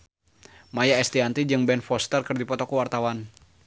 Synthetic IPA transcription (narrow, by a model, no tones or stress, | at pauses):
majaɛst̪iant̪id͡ʒɨŋbɛnfɔst̪ərkərdipɔt̪ɔkuwart̪awan